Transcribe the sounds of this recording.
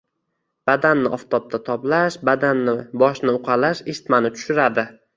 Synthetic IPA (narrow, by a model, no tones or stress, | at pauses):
b̥ad̪anːɪʔɒft̪ʰɒp̚t̪ʰat̪ʰɒplaʃbad̪anːɪbɒʃnɪʊqʰɑlaʃɪʃt̪manɪt̪ʰʊ̥ʃɪɾad̪ɪ